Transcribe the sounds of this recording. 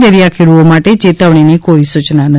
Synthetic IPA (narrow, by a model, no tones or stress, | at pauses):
d̪əɾijakʰeɾuomaʈet͡ʃet̪əʋɽ̃inikoisut͡ʃnanə